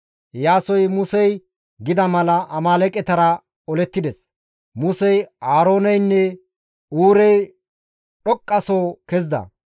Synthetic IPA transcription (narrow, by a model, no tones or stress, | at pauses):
jaːsɔjmʊsɛj | ɡɪd̪ɐmɐlɐʔɐmaːlɛkʼɛt̪ɐɾɐ | ɔlɛt̪ːɪd̪ɛs | mʊsɛjaːɾo̞ːnɐjnːɛ | uːɾɛj | ᶑɔkʼːɐsoːkɛzd̪ɐ̰